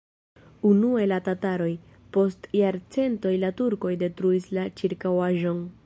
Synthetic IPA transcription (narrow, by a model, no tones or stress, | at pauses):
unuelatataɾo̞j | po̞stjaɾt͡se̞nto̞jlatuɾko̞jde̞tɾuislat͡ʃiɾkawaʒo̞n